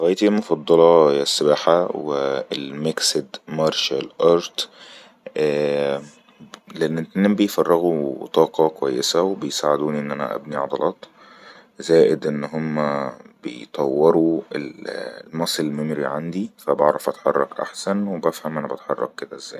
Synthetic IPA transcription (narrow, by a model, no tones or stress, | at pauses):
ɾɑːʔjːt̪ilmofɑd̪ˤːɑlɑjæsːebaːħaweelmeksed̪mɑɾˤʃælʔɑːɾˤt̪ | ʔæː | leʔenːt̪nːæːmbejfɑrˤːɑɣut̪ˤɑːqɑkowæjːesæwebejsaʕed̪uːniʔenːʔænæ̰ʔæ̰bniʕɑd̪ˤɑlʔɑːt̪ˤ | zæːʔed̪ʔenːɦomːæb̥ḛjt̪ˤɑwːeɾuellmɑsˤelmemɾḭʕand̪ifæbɑʕɾˤɑfʔæt̪ħɑrˤːɑ̰kʔa̰ħsænwebæfhæmʔænæbæt̪ħɑrˤːɑ̰k̚ked̪æʔezːæ̰ːj